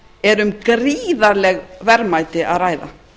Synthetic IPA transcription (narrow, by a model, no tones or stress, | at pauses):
ɛɾʏmkriːðaɾlɛɣvɛɾmaːjt̪ɪa̰ðraːjða̰